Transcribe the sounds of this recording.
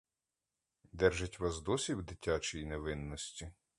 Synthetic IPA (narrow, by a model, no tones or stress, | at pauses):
d̪ɛrʒetʲʋɑs̬d̪ɔsʲiwd̪ɪtʲat͡ʃijineʋɪnːɔsʲtʲi